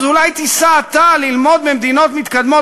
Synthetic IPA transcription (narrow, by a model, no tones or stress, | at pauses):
zulajt̪isaːt̪alilmo̞d̪bemd̪ino̞t̪mit̪kad̪mo